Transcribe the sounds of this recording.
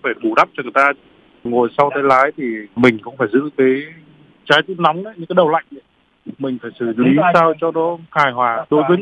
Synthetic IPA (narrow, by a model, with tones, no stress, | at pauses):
faː˧˩ɓu˧˩ɗa˦˥p̚t͡ɕɔ˧ŋɨ˨˩jt̪aː˧ | ŋo˨˩jsa˧wt̪ə˨˦jlaː˨˦jt̪ʰi˨˩mï˨˩ŋ̟kʊ̰˧wŋ͡mfaː˧˩jzɨ̰˧˥kaː˨˦j | t͡ɕaː˨˦jt̪u˦˥t̚na˨˦wŋ͡mʔə˨˦jɨ˧˥kaː˨˦jɗə˨˩wla̰˧˨jŋ̟ʔi˧˨˦ | mï˨˩ŋ̟faː˧˩jsɨ˧˩li˨˦saː˧wt͡ɕɔ˧ɗɔ˨˦haː˧˩jhwaː˨˩t̪o˨˧˦jvɨ˨˦